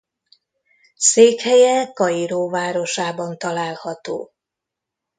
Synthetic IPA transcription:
seːkhɛjɛkɒjiɾoːvaːɾo̞ʃaːbɒnt̪ɒlaːlhɒt̪o̰ː

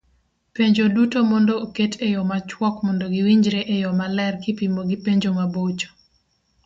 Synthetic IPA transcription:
peɲd͡ʒodutomɔndɔoketʰejɔmat͡ʃwɔkmɔndoɡɪwiɲd͡ʒɾeʔejɔmalɛrkɪpimoɡɪpeɲd͡ʒomabot͡ʃo̥

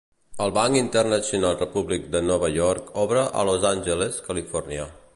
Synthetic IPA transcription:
əlˠβaŋkint̪ərnəsiunalˠrəpuβlik̚d̪ənɔβəʎɔɾkɔβɾəʔə̰lozanʲʒəleskəlifɔrnja

